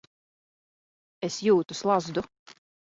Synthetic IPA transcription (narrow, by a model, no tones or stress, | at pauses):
esjuːt̪uslˠazd̪u